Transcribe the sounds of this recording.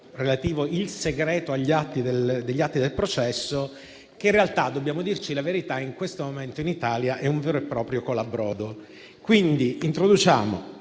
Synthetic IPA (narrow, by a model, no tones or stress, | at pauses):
relat̪iːvoilseɡɾɛːt̪oaʎːiat̪ːid̪eld̪eʎːat̪ːid̪elpɾot͡ʃɛsːo | keinrealt̪ad̪ːobːjaːmod̪irt͡ʃilaveɾit̪aiŋkwest̪omoment̪oinit̪aːljaʔɛuɱveːɾoepːɾɔːpɾjokolabɾɔːd̪o | kwind̪iint̪ɾod̪ut͡ʃaːmo̰